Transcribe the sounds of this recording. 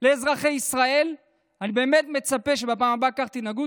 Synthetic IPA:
leːzʁaχe̞jisʁae̞l | anibe̞ːme̞t̪me̞t͡sapeʃ̬ebapaːmabakaχt̪inaɡut

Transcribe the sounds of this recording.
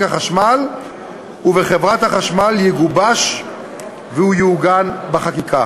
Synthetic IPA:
kaχaʃmal | uveχevʁat̪haχaʃmaljiɡubaʃ | vehujuːɡanbaχakikʰa

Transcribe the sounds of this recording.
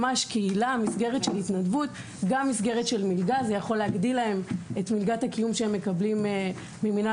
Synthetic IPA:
maʃkeilamisɡe̞ʁetʃelitnadvut | ɡamːisɡe̞ʁetʃe̞lmilɡazejaχo̞leaɡdilae̞metmilɡathakijumʃeemːe̞kablimeː | emina

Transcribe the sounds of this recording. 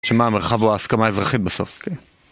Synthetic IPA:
ʃemameʁχavuaːskamaezʁaχit̪̚beso̞̰fken

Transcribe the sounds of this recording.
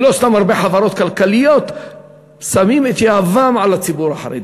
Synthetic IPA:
lost̪amaɾbeħavaɾo̞t̪kalkalijot̪ | samimet̪jaavamʕalat͡sibuɾa̰ħa̰ɾḛd

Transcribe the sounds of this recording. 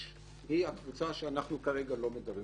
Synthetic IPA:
hihakvut͡saʃeanaχnukaʁe̞ɡalomed̪abʁi

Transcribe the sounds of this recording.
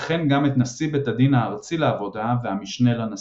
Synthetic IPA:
χenɡamet̪nasibet̪ad̪inaːʁt͡sileːvo̞daveamiʃne̞lana

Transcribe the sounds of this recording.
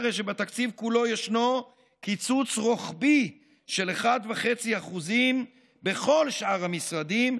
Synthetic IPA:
ʁeʃ̬ebat̪akt͡sivkulo̞jeʃno | kit͡sut͡sʁo̞χbi | ʃe̞leχad̪veχe̞t͡siaχuzim | be̞χo̞lʃʔaʁhamisʁad̪im

